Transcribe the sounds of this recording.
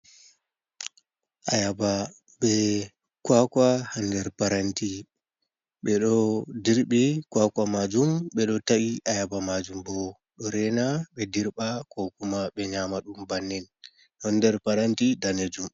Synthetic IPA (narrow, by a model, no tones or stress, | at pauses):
ʔajaba | ɓɛ | kwakahandɛɾpaɾanti | ɓɛɗɔdiɾɓikwakamad͡ʒumɓɛɗɔtaʔiʔajabamad͡ʒumbɔ | ɗɔɾɛnaɓɛdiɾɓakɔkumaɓɛɲamaɗumbanːɛn | hɔndɛɾpaɾantidaned͡ʒum